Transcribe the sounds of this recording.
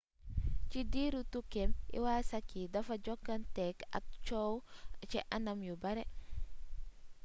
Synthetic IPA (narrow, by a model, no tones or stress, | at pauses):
t͡ʃidiːɾutukemʔḭwaːsakːidɐfɐɟɔkːantɛka̰k̚t͡ʃowt͡ʃiʔanɐmjubɐɾɛ